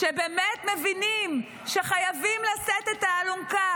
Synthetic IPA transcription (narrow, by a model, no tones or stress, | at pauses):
ʃebemet̪mevinim | ʃe̞χajavimlaset̪et̪aːlumka